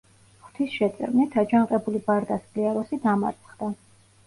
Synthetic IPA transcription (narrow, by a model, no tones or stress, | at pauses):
χt̪ʰisʃɛt̪sʼɾnit̪ʰad͡ʒanqʼɛbulibaɾd̪asbliaɾɔsid̪ama̰ɾt̪sʰʼχd̪a